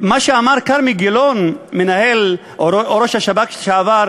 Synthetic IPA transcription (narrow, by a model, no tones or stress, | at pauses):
maʃeamaʁkaɾmiɡilonmenahel | oɾoʃhaʃabakʃeavaɾ